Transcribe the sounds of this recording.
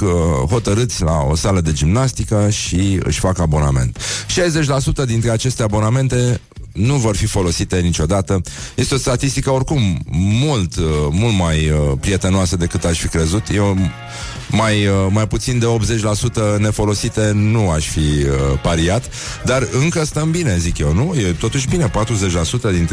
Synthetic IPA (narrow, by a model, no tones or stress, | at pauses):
ɦo̞t̪əɾɨt̪sʲla̰o̞̰saləd̪e̞d͡ʒimnast̪ikəʃiɨ̰ʃʲfakabo̞name̞̰nt̪ʃejze̞t͡ʃʲlasut̪əd̪int̪ɾeat͡ʃe̞st̪eabo̞name̞nt̪e̞ | nuvo̞rfifo̞lo̞sit̪e̞nit͡ʃo̞d̪at̪əje̞st̪eo̞st̪at̪ist̪ikəo̞rkumːult̪mult̪majəpɾije̞t̪e̞noasəd̪e̞kɨt̪aʃʲfikɾe̞zut̪jew | majmajput̪sind̪e̞o̞p̪ze̞t͡ʃʲlasut̪əne̞fo̞lo̞sit̪e̞nuaʃʲfiəpaɾiat̪ | d̪arɨŋkəst̪əmbine̞zikjewnujet̪o̞t̪uʃ̬bine̞pat̪ɾuzet͡ʃʲlasut̪əd̪int̪